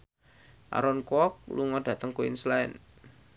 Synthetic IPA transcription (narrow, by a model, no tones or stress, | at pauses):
ʔa̰ɾɔnkɔk̚luŋɔd̥ä̤t̪əŋkuḭnslaɛn